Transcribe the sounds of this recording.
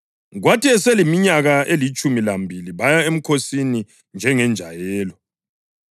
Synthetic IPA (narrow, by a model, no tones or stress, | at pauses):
ɣwatʰiɛsɛlimiɲaɣaelit͡ʃʼumilambʱiliβajaem̩kʰosini | nd͡ʒʱɛŋɛnd͡ʒʱajɛːlɔ